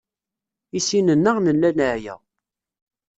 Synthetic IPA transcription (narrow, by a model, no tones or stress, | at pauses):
isinənːəʁnənːænəʕjæ̰